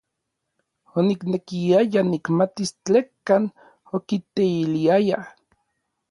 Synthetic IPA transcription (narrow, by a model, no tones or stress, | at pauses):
oniknekiajanikmat̪ist͡ɬekːaːn | okit̪eiliaja